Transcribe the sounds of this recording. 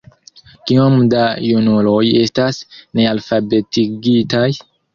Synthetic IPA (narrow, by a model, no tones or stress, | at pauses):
kiomdajunulo̞je̞stasne̞alfabe̞tiɡitaj